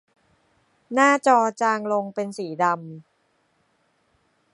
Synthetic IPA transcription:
naː˥˩t͡ɕɔː˧t͡ɕaː˧ŋlo˧ŋpe˧nsiː˩˦da˧m

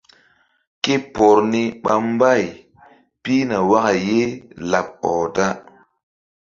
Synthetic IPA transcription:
ke˦pɔ˨ɾni˦ɓa˦m˦ba˦˨j | pi˦na˨wa˦ka˨je˦la˨p̚ɔ˨ta˦

